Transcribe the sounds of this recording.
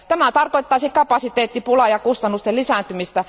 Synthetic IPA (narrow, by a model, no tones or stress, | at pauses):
t̪æmæt̪ɑrkoit̪ːɑisikkɑpɑˑsit̪eːt̪ːipulɑjɑkust̪ɑnːust̪elisæˑnt̪ymist̪æ